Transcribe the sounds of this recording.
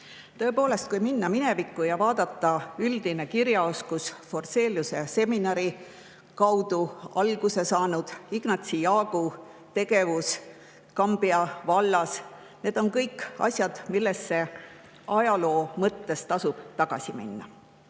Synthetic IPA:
t̪ɤ̞e̞po̞ːle̞st̪̚kujminːɑmine̞vikːˑujɑvɑːd̪̥ɑt̪ːɑyld̪̥ine̞kiɾjɑo̞skusfo̞rse̞ːljusese̞minɑɾi | kɑwd̪uɑlɡ̥use̞sɑːnud̪̥iɡ̥nɑt̪sijɑːɡ̥u | t̪e̞ɡ̥e̞vus | kɑmb̥iɑvɑlːɑs | ne̞ːd̪̥o̞nkɤ̞jkɑ̰sʲjɑd̪̥milːe̞sːe̞ | ɑjɑlo̞ːmɤt̪ːe̞st̪ɑsub̥t̪ɑɡ̥ɑsʲimḭnːɑ̰

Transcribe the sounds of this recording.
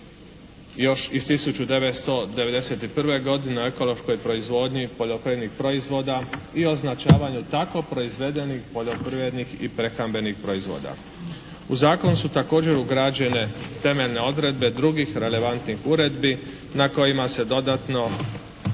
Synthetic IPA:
jo̞ʃist̪isut͡ʃud̪e̞ʋet̪st̪o̞d̪e̞ʋe̞d̪e̞set̪ipr̩ʋe̞ɡo̞d̪ineoe̞ko̞lo̞ʃko̞jpɾo̞izʋo̞ːd̪ɲipo̞ʎo̞pɾiʋed̪nixpɾo̞izʋo̞ːd̪aioznat͡ʃaːʋaɲut̪ako̞pɾo̞izʋe̞d̪e̞nixpo̞ʎo̞pɾiʋe̞d̪nixḭpɾe̞xambe̞nixpɾo̞izʋo̞̰ːd̪a̰ | uzaːko̞nusut̪ako̞ːd͡ʑe̞ɾuɡɾad͡ʑe̞ne̞t̪e̞me̞ʎne̞o̞d̪ɾe̞d̪̚be̞d̪ɾuɡixɾe̞le̞ʋant̪nixuɾe̞d̪bi | nako̞jimase̞d̪o̞d̪at̪no̞

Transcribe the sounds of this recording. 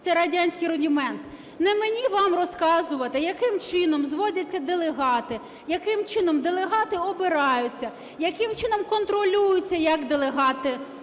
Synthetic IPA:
t̪sɛɾɐdʲanʲsʲkɪjɾʊdʲimɛnt̪ | nɛmenʲiʋɑmrɔskɑzʊʋɐt̪ɪjɐkɪmt͡ʃɪnɔmzʋɔdʲɐt͡sʲːɐd̪elˠeɦɑt̪ɪ | jɐkɪmt͡ʃɪnɔmd̪elˠeɦɑt̪ɪɔbɪɾɑjʊt͡sʲːɐ | jɐkɪmt͡ʃɪnɔmkɔnt̪ɾɔlʲujʊt͡sʲːɐjɐkd̪elˠeɦɑt̪ɪ

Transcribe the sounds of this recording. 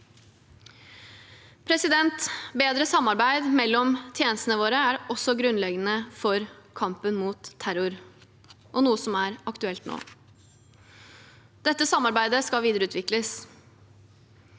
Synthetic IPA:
pʰɾɛsɪd̪ɛnt̪beːd̪ɾəsɑmːɑɾbæɪd̪mɛlːɔmt̪ʰjeːnəst̪ənəʋoːɾəæɾɔsːɔɡɾʉnlɛɡənəfɔɾkʰɑmpənmuːt̪ʰːæɾʊɾ | ʔɔnuːəsɔmæɾɑkt̪ʉɛlt̪no̰ː | d̪̥ɛt̪ːəsɑmːɑɾbæɪd̪əskɑʋiːd̪əɾəʉːt̪ʰʋɪkləs

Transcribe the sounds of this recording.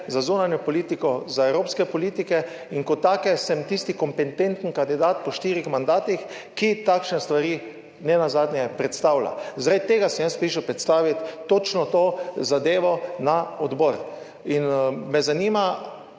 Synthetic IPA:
zazunanjɔpɔliːt̪ikɔzaɛwɾoːpskɛpɔliːt̪ikɛ | iŋkɔt̪ːaːkɛsɛmt̪ist̪ikɔmpɛnt̪ent̪n̩kand̪id̪at̪pɔʃt̪iːɾixmand̪aːt̪ix | kit̪akʃnɛst̪ʋaɾiː | nɛnazaːd̪nʲjɛpɾɛt̪st̪awla̰zɾat̪̚t̪eːɡasɛmjanspiːʃəpɾɛt̪st̪aːʋit̪ːot͡ʃnɔt̪oːzad̪eːʋɔnaɔd̪bɔːɾ | inmɛzaniːma

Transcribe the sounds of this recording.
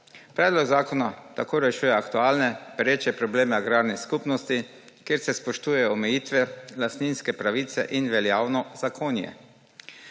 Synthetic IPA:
pɾɛːd̪lɔɡzaːkɔnat̪akoːɾɛʃuːjɛakt̪uaːlnɛpɾeːt͡ʃɛpɾɔbleːmɛaɡɾaːɾnɛskupnɔst̪i | keːɾsɛspɔʃt̪uːjɛjɔːmɛjiːt̪ʋɛlast̪niːnskɛpɾaʋiːt̪sɛ̰ʔinʋɛljaːwnɔzakʰoːnjɛ̰

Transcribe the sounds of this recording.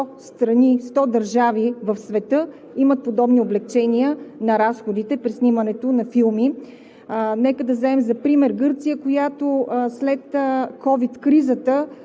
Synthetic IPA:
ɔst̪ɾɐnist̪ɔd̪ɐɾʒavivɐfsvɛt̪ɤ | imət̪̚pod̪ɔbnioblɛk̚t͡ʃɛniənɐɾasxod̪it̪ɛpɾisnʲimənɛt̪onɐfilˠmi | nɛkəd̪ɐzɛɛmzɐpɾimɛɾɡɤɾt̪sijəkojat̪oslɛt̪kɔvit̪kɾizət̪ə

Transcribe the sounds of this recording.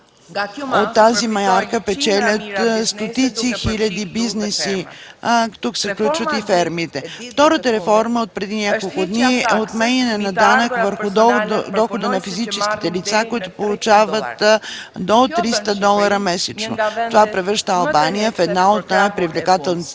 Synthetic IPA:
ot̪ːazimɐjaɾkəpɛt͡ʃɛlʲət̪st̪ot̪it̪sixilʲɐd̪ibiznɛsi | t̪uksɛfklʲut͡ʃvət̪ifɛɾmiːt̪ɛft̪ɔɾət̪əɾɛfɔɾməot̪̚pɾɛd̪inʲakolˠkʊd̪niɛot̪mɛɲʲɐnɛnɐd̪anəkvəɾxʊd̪ɔxod̪ənɐfizit͡ʃɛsk̟i̥t̪ɛlit̪sakoit̪ʊpolˠʊt͡ʃavət̪ | d̪ot̪ɾist̪əd̪ɔlˠəɾəmɛsɛt͡ʃnot̪ovapɾɛvɾəɾʃt̪əɐlˠbanijəfɛd̪naot̪najpɾivlʲɛkat̪ɛlˠn

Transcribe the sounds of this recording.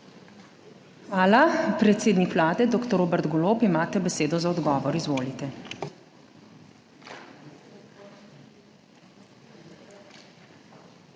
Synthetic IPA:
xʋaːlapɾɛt̪seːd̪nikʋlaːd̪ɛd̪oːkt̪ɔɾoːbɛɾt̪ɡoloːpimaːt̪ɛbɛseːd̪ɔzaɔd̪ɡɔːʋɔɾizʋoːlit̪ɛ

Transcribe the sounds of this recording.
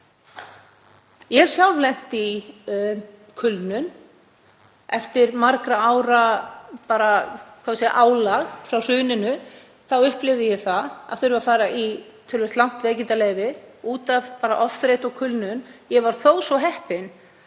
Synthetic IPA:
jɛɾ̥sjalvlɛn̥t̪i | kʰʏlnʏn | ɛft̪ɪɾmaɾkɾaaːwɾapaːɾakʰasɛa̰ʔaːwlaɣfɾawr̥ʏːnɪnʏ | θawʏhplɪvðɪjɛɣθaða̰ðθʏɾʏvafaːɾait̪ʰœlvɛst̪lawn̥t̪ɾeːjcɪnt̪aleːjvɪuːt̪avpaːɾaʔɔfθɾejt̪ɔɣkʰʏlnʏnjɛvaɾ̥θowsɔɦɛhpɪn

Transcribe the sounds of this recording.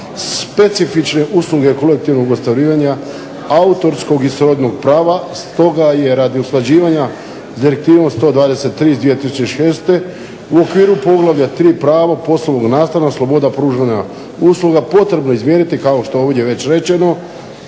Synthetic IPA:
sspe̞t̪sifit͡ʃne̞ʔusluɡeko̞le̞k̚t̪iʋno̞ɡost̪aɾiːʋaɲa | aut̪o̞ɾsko̞ɡisɾo̞d̪no̞ɡpɾaːʋast̪o̞ɡaje̞ɾad̪iuslˠad͡ʑiːʋaɲa | zd̪iɾek̚t̪iːʋo̞mst̪o̞ːd̪ʋaːd̪e̞se̞t̪ːɾiːzd̪ʋije̞t̪isut͡ɕeʃeːst̪e̞ | uo̞kʋiːɾupo̞ɡlˠaʋʎat̪ɾiːpɾaːʋapo̞slˠono̞ɡnaːst̪anaslˠo̞bo̞d̪apɾuːʒʋaɲa | uslˠuɡapo̞t̪ɾe̞bno̞izmje̞ːnit̪ikaoʃt̪oeoʋdʲeʋe̞t͡ɕɾe̞t͡ʃe̞no̞

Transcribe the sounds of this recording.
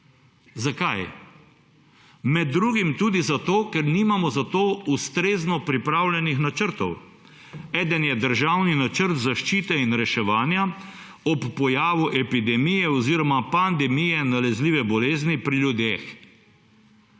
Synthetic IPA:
zakaj | mɛd̪ːɾuːɡimt̪uːd̪izat̪oːkɛɾniːmamɔzat̪oːust̪ɾeːznɔpɾipɾawlʲɛnixnat͡ʃəɾt̪ɔw | ɛːd̪ənjɛd̪əɾʒawninat͡ʃəɾt̪zaʃt͡ʃiːt̪ɛinɾɛʃɛʋaːnja | ɔpːɔjaːʋuʔɛpid̪ɛmijɛɔziːɾɔmapand̪ɛmijɛnalɛzliːʋɛbɔleːznipɾiljud̪eːx

